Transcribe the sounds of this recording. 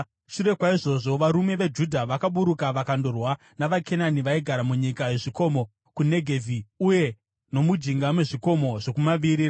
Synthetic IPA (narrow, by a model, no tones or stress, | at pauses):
ʃuɾe̞kwaiʐo̞ʐo̞ʋaɾume̞ʋe̞d͡ʒudʱaʋakaɓuɾukaʋakandorwa | naʋakʰe̞naniʋaiɡʱaɾamuɲikaje̞ʐiko̞mo̞ | kune̞ɡʱe̞vʱiuje̞ | no̞mud͡ʒiŋɡamwe̞ʐiko̞mo̞ʐo̞kumaʋiɾi